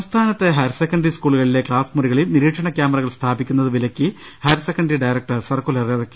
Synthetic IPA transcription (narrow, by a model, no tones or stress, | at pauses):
sɐmst̪ʰaːnɐt̪ːe̞ɦɐɾsekːɐɳɖriskuːɭuɣɐɭile̞kɭaːsmuɾiɣɐɭilniɾiːʈʂɐɳɐkjaːmɐrɐɣɐɭst̪ʰaːbikʲːunːɐðɨʋilɐkʲːɨ | hɐɾsekːɐɳɖriɖɐjrɐk̚ʈɐrsɐrkulɐrirkːi